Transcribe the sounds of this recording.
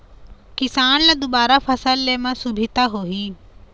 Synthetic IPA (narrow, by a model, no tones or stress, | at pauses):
kɪsaːnlɐd̪obaːɾafʰɐsəlːemãsubʱɪt̪aɦoɦi